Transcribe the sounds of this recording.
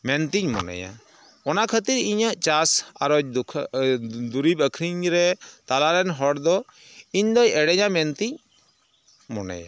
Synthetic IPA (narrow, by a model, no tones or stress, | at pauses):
mɛnt̪iɲmɔ̰nɛ̰ja̰ | ɔnakʰət̪iɾiɲaʔt͡ʃasaɾɔd͡ʒkʰ | d̪uɾibəkʰɾiɲɾɛt̪alaɾɛnɦɔɽd̪ɔ | iɲd̪ɔjɛɽɛɲamɛnt̪iɲ | mɔnɛ̰ja̰